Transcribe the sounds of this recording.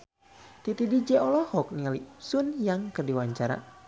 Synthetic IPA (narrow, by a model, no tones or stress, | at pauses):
t̪it̪idid͡ʒɛɔlɔhɔk̚niŋalisunjaŋkərdiwaɲt͡ʃaɾa̰